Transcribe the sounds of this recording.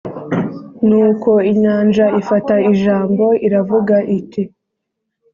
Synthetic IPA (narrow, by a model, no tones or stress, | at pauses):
nuːko̞iɲaːnd͡ʒaifataiʒaːmbo̞ʔiɾavuɡaʔiti